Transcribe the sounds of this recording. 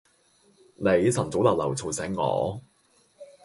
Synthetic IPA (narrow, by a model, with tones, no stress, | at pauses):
ne˨˧jsɐ˨˩nt͡so˨˥wlaː˨˩lɐ˨˩wt͡sʰo˨˩wsɛː˨˥ŋːɔ̰ː˨˧